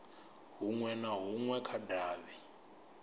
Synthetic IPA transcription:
ɦuŋwɛnaɦuŋwɛkʰadʱaːβɛ

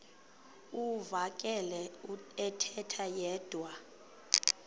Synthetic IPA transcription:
uvakʼɛlɛuɛtʰɛtʰajɛːd̥ʱwa

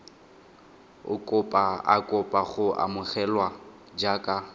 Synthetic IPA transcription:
ʊ̰kʼʊpʼaa̰kʼʊpʼaχʊʔa̰mʊχɛlwa | d͡ʒakʼa

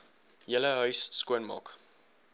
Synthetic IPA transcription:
jələɦœɥsːkuənmɑ̰ːk

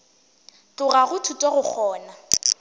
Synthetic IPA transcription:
tʼʊraɣʊtʰutʼɔɣʊk͡xʰɔːna

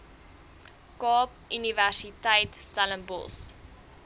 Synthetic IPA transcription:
kɑːp | ynivæsitəjtstælənbɔ̰lˠs

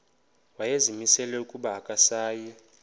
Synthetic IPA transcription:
wajezimisɛlɛukʼuɓaːkʼasaːjɛ

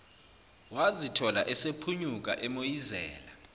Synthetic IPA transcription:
wazitʰɔlaʔɛsepʰuɲuk̬ʼa̰ʔɛmojizɛ̰ːla

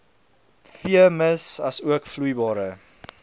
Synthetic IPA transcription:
fiəməsɐsuəkflujbɑːɾə

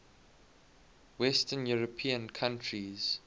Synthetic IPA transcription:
wɛstə̃njuɹəpʰĩə̃nkʰãntʰɹiz̥

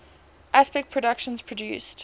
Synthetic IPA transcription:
ʔaspɛk̚pʰɹədʌkʃə̃nz̥pʰɹ̥ədjʉːˑst

